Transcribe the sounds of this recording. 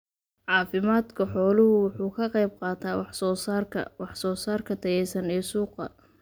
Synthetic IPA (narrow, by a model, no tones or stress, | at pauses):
ʕɑːfɪmaːd̪kʰɐħɔːlʊhʊwʊħuːkʰɐqɑjb̚qɑːt̪ʰaːwɑħsɔːsarʰɐ̰wɑħsɔːsaːrkʰɐt̪ʰɐjɛjsɐnɛːsuːqɐ̰